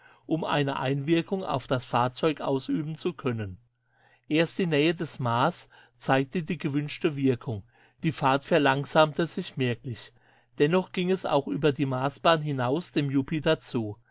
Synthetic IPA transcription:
ʔʊmʔa̰ɪnəʔa̰ɪnvɪɐkʰʊŋa̰ʊfd̥asfaːɐt͡sɔʏkʔa̰ʊsʔyːbn̩t͡sukʰœnən | ʔeːɐst̚d̥iːnɛːədɛsmaːs | t͡saɪk̚tədiːɡəvʏnʃtəvɪɐkʰʊŋ | d̥iːfaːɐtfɛɐlaŋz̥aːmtəzɪçmɛɐklɪç | d̥ɛnɔχɡ̥ɪŋɛsa̰ʊxʔyːbɐdiːmaːsb̥aːnɦɪnaʊsd̥eːmjupʰidɐt͡suː

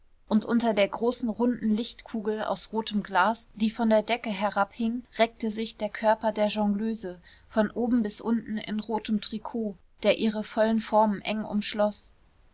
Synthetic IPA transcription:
ʔʊntʔʊntɐdeːɐɡʁoːsn̩ʁʊndn̩lɪçtkʰuːɡl̩a̰ʊsʁoːtʰəmɡlaːsd̥iːfɔndeːɐdɛkəɦɛɐʁaphɪŋʁɛk̚təzɪçd̥eːɐkʰœɐpɐdeːɐʒɑŋɡløːzə | fɔnʔoːbm̩bɪsʔʊntn̩ɪ̰nʁoːtəmtʁ̥ikʰoː | d̥eːɐʔiːʁəfɔlənfɔɐmənʔɛŋʊ̰mʃlɔs

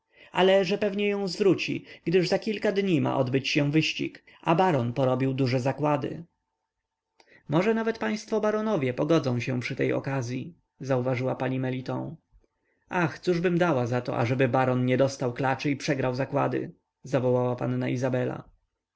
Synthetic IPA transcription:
a̰lɛʐɛpɛvɲɛjɔ̃w̃zvɾut͡ɕḭɡd̪ɘʐzakʲilkad̪ɲima̰ʔɔd̪bɘt͡ɕɕɛvɘɕt͡ɕḭk | ʔabaɾɔnpɔɾɔbʲiwd̪uʐɛzakwad̪ɘ̰ | mɔʐɛnavɛt̪paj̃st̪fɔbaɾɔnɔvʲjɛpɔɡɔd̪zɔ̃w̃ɕɛ̃pʂɘt̪ɛjɔ̰kazʲji | zauvaʐɘwapaɲimɛlʲit̪ɔ̰̃w̃ | axt̪suʐbɘmd̪awazat̪ɔ̰ʔa̰ʐɛbɘbaɾɔnɲɛd̪ɔst̪awklat͡ʂɘipʂɛɡɾawzakwad̪ɘ̰ | zavɔwawapanːa̰ʔizabɛla̰

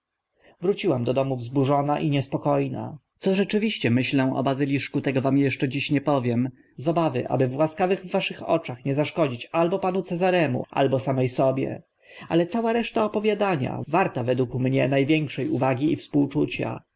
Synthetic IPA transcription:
vɾut͡ɕiwamd̪ɔd̪ɔmuvzbuʐɔnaʔiɲɛspɔkɔjna̰t̪sɔʐɛt͡ʂɘvʲiɕt͡ɕɛmɘɕlɛ̃ɔ̰bazɘlʲiʂkut̪ɛɡɔvamjɛʂt͡ʂɛd͡ʑiɕɲɛpɔvʲjɛm | zɔbavɘ̰ʔa̰bɘvːwaskavɘɣvːaʂɘxɔ̰t͡ʂaxɲɛzaʂkɔd͡ʑit͡ɕalbɔpanut̪sɛzaɾɛmṵʔa̰lbɔsamɛjsɔbʲjɛ̰ | a̰lɛt̪sawaɾɛʂt̪aɔpɔvʲjad̪aɲa̰vaɾt̪avɛd̪wukmɲɛnajvʲjɛŋkʂɛjuvaɡʲiifspuwt͡ʂut͡ɕa̰

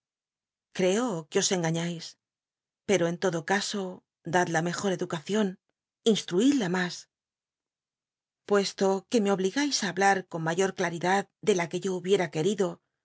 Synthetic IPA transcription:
kɾe̞okeo̞se̞ŋɡaɲajs | pe̞ɾo̞e̞nt̪o̞ðo̞kaso̞ | d̪ad̪lame̞xo̞ɾe̞ðukaθjo̞n | inst̪ɾuiðlamas | pwe̞st̪o̞ke̞me̞o̞βliɣajsaːβlaɾko̞nmaʝo̞ɾklaɾiðaðd̪e̞lake̞ʝo̞uβje̞ɾake̞ɾiðo̞

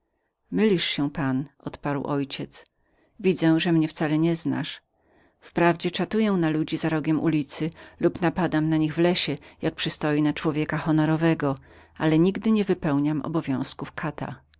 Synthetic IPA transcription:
mɘlʲiʂɕɛ̃panʔɔ̰t̪paɾwʔɔjt͡ɕɛt̪s | vʲid̪zɛ̃ʐɛmɲɛft̪salɛɲɛzna̰ʂ | fpɾavd͡ʑɛt͡ʂat̪ujɛw̃nalud͡ʑizaɾɔɡʲɛmʔṵlʲit̪sɘlupnapad̪amnaɲiɣvlɛɕɛjak̚pʂɨst̪ɔjinat͡ʂwɔvʲjɛkaxɔnɔɾɔvɛɡɔ | alɛɲiɡd̪ɘɲɛvɘpɛwɲamʔɔ̰bɔvʲjɔ̃w̃skufkʰat̪a̰

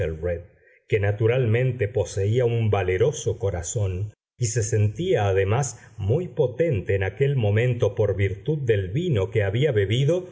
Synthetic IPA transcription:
elred̪ | kenat̪uɾalmẽ̞nt̪epo̞se̞iaumbale̞ɾo̞so̞ko̞ɾaso̞n | ise̞se̞nt̪iaːðe̞masmujpo̞t̪ent̪eːnakelmõ̞mẽ̞nt̪o̞po̞ɾβiɾt̪uð̚ːe̞lβino̞keaβiaβeβiðo̞

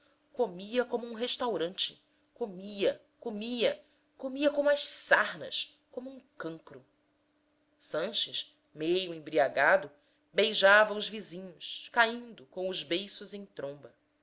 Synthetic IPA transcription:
komiɐkõmʊũɦeʃt̪awɾɐ̃nt͡ʃɪ̥ | komiɐ | komiɐ | komiɐkõmɐʃsahnɐ̰ʃ | kõmuũŋkɐ̃ŋkɾʊ | sɐ̃ʃɪʃ | mejʊẽbɾiaɡad̪ʊ | bejʒavɐ̃ʊzvizĩɲʊskaĩnd̪ʊkõw̃ʊzbejsʊzẽj̃t̪ɾõmbɐ

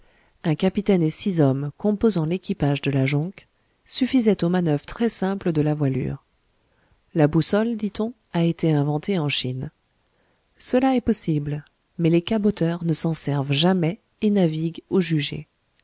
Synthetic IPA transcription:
ɛ̃kapit̪ɛnesizɔmkɔ̃pozɑ̃lekʲipaʒd̪əlaʒɔ̃k | syfizɛt̪omanœvʁt̪χɛsɛ̃pləd̪əlavwaly̰ːʁ | labusɔld̪it̪ɔ̃ | aet̪eɛ̃vɑ̃t̪eɑ̃ʃin | səlaɛpɔsibl | mɛlekabot̪œʁnəsɑ̃sɛʁvʒamɛ | enaviɡoʒyʒḛ

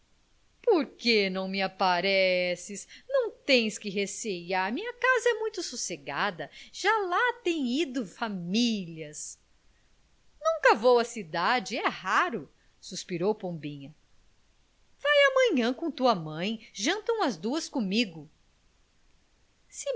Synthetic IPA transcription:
poɾkenɐ̃w̃mɪapaɾɛsɪsnɐ̃w̃t̪ẽj̃skɪɦesejaɾmĩɲɐkazɐɛmũj̃t̪ʊsuseɡa̰d̪ɐʒ̥alat̪ẽj̃id̪ʊfamilɐs | nũŋkɐvowɐsid̪ad͡ʒɪɛhaɾʊ | suspiɾowpõbĩɲɐ | v̥ajamɐ̃ɲɐ̃kõt̪uɐmɐ̃j̃ʒɐ̃nt̪ɐ̃w̃ɐzd̪uɐskõmiɡʊ | sɪ

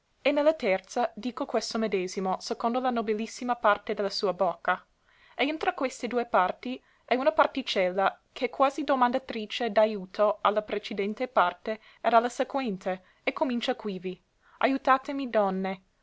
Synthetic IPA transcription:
enːɛlːat̪ɛrt̪sad̪iːkokwest̪omed̪eːzimosekond̪olanobilisːimapart̪ed̪ɛlːasuːɐbɔkːa | eint̪ɾakwest̪ed̪uːepart̪i | ɛunapart̪it͡ʃɛlːakʰekwaːzid̪omand̪at̪ɾiːt͡ʃed̪ajuːt̪ʰoalːapɾet͡ʃed̪ɛnt̪epart̪e | ed̪alːasekwɛnt̪e | ekːomint͡ʃakwivi | ʔa̰jut̪aːt̪emid̪ɔnːe

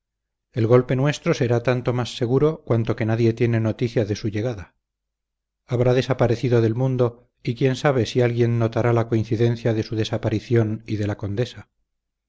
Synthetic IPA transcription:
e̞lɣo̞lpe̞nwe̞st̪ɾo̞se̞ɾat̪ant̪o̞masːe̞ɣ̞uɾo̞kwant̪o̞ke̞naðje̞t̪je̞ne̞no̞t̪iθjaðe̞suʝe̞ɣ̞aða | aβ̞ɾaðe̞sapaɾe̞θiðoðe̞lmũnd̪o̞ | ikje̞nsaβ̞e̞sialɣje̞nːo̞t̪aɾalako̞in̟θiðe̞nθjaðe̞suðe̞sapaɾiθjo̞niðe̞lako̞nd̪e̞sa

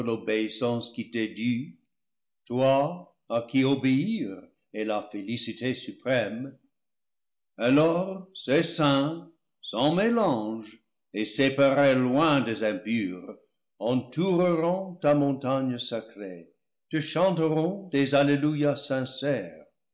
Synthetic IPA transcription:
lobeisɑ̃skit̪edy | twaː | kiobeiʁ | elafelisitesypʁɛm | alɔʁsesɛ̃ | sɑ̃melɑ̃ʒ | esepaʁelwɛ̃dezɛ̃mpyːʁ | ɑ̃tuʁəʁɔ̃t̪amɔ̃ntaɲəsakre | t̪əʃɑ̃ntəʁɔ̃dezalelujasɛ̃sɛːʁ

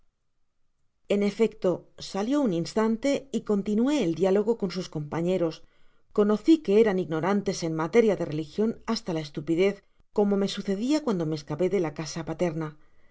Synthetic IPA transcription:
e̞ne̞fe̞kt̪o̞saljo̞uninst̪ant̪e̞iko̞nt̪inue̞ːld̪jalo̞ɣ̞o̞ko̞nsusko̞mpaɲe̞ɾo̞s | ko̞no̞θike̞e̞ɾaniɣno̞ɾant̪e̞se̞nmat̪e̞ɾjaðe̞re̞lixjo̞nast̪alae̞st̪upiðe̞θ | ko̞mo̞me̞suθe̞ðiakwand̪o̞me̞ːskape̞ðe̞lakasapat̪e̞ɾna

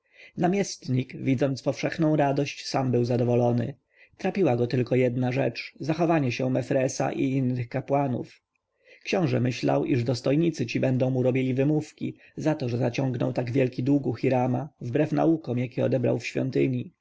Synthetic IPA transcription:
namʲjɛst̪ɲikvʲid̪zɔnt̪spɔfʂɛxnɔ̃w̃ɾad̪ɔɕt͡ɕsambɘwzad̪ɔvɔlɔnɘ̰ | t̪ɾapʲiwaɡɔt̪ɘlkɔjɛd̪naʐɛt͡ʂzaxɔvaɲɛɕɛmɛfɾɛsa̰ʔḭinːɘxkapwanṵf | kɕɔ̃w̃ʐɛ̰mɘɕla̰wʔiʐd̪ɔst̪ɔjɲit̪sɘt͡ɕibɛnd̪ɔ̃w̃muɾɔbʲilʲivɘmufkʲḭ | zat̪ɔʐɛzat͡ɕɔ̃ŋɡnɔ̰wt̪aɡvʲjɛlkʲid̪wuɡuxʲiɾamavbɾɛfna̰ukɔmjakʲɛɔ̰d̪ɛbɾa̰wfɕfʲjɔ̰nt̪ɘɲi

